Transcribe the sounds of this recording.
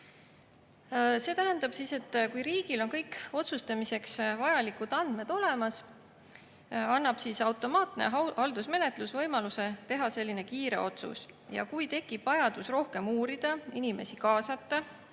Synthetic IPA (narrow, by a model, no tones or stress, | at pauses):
se̞ːt̪æɦænd̪̥ɑb̥sise̞t̪ːkujɾiːɡ̥ilo̞nkɤjkːo̞t̪sust̪ɑmise̞ksvɑjɑlikˑud̪̥ɑnd̪̥me̞d̪̥o̞le̞mɑs | ɑnːɑb̥sisɑwt̪ˑo̞mɑːt̪nḛhɑld̪usme̞ne̞t̪lusvɤjmɑluse̞t̪e̞ɦɑse̞lʲːine̞kiːɾe̞̰o̞t̪sṵsjɑ̰kujt̪e̞kːˑib̥vɑjɑd̪̥usro̞hke̞muːɾid̪̥ɑinime̞sikɑːsɑt̪ːɑ